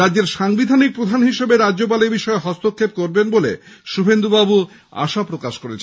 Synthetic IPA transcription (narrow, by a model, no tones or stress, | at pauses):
ɾad͡ʑːd͡ʑeɾʃaŋbid̪ʱanik̚pɾod̪ʱanɦiʃebeɾadːd͡ʑop̬alebiʃɔeɦɔst̪okʰːep̚koɾbenbole | ʃubʱend̪ubabu | a̰ʃapɾokaʃkoɾet͡ɕʰ